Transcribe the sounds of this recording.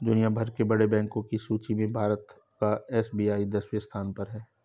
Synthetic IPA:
d̪ʊnijabʱɐɾkebɐɽebɛ̃ːŋkõkisuːt͡ʃimẽbʱaːɾət̪ | kaɛːsbiːaːid̪ɐswijəst̪ʰaːnpɐɾɦɛː

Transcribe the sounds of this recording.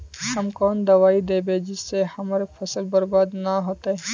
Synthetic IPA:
hɐmkɔːnd̪ɐʋaːid̪eːbeːd͡ʒɪsːehɐmːɾefʰɐsəlbɐɾbaːd̪nɐɦoːt̪eɦɛ̃ː

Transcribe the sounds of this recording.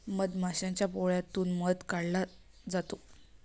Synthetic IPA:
məd̪maɕãɲt͡ɕjapoɭjat̪uːnməd̪kaɽla | d͡zat̪o

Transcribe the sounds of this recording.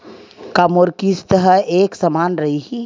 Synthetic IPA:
kaːmoɾkist̪əɦəeːksɐmaːnɾɐɦiɦi

